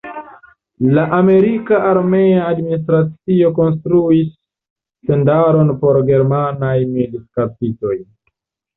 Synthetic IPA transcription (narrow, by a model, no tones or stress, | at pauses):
laʔame̞ɾikaʔaɾme̞aːdminis̬tɾat͡sio̞ko̞ns̬tɾuisː | e̞ndaɾo̞npo̞ɾɡe̞ɾmanajmiliskapito̞j